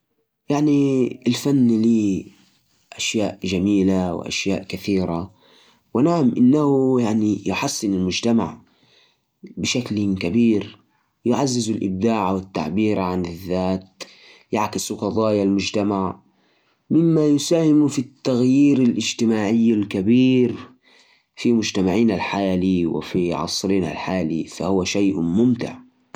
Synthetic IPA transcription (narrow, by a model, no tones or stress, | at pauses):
jaʕniɪlfanːliː | ʔaʃjaːʔʒamiːlaw̰ʔa̰ʃjaːʔkaθiːɾa | wɪnaʕamʔɪnːahujaʕnijʊħasːɪnɪlmʊd͡ʒt̪ama̰ʕ | bɪʃaklakabiːɾ | jʊʕazːɪzʊlʔɪ̰b̚d̪aːʕawɪt̪ːa̰ʕbiːɾʕanɪðːaːt̪̚ | jaʕkɪsuqɑðˤɑːjalmʊd͡ʒt̪amaʕ | mɪmːajʊsaːhɪmfit̪ːaɣjiːɾalʔɪd͡ʒt̪ɪmaːʕɪjːalkabiːɾ | fimʊd͡ʒt̪amaʕiːnalħaːliwɪ̰fiʕɑ̰sˤɾiːna̰lħaːlḭfa̰hʊwaʃajʔmʊmt̪ɪ̰ʕ